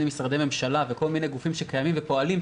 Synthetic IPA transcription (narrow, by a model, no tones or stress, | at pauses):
emisʁad̪eme̞mʃalaveko̞lminejɡufimʃekajamimvepo̞alim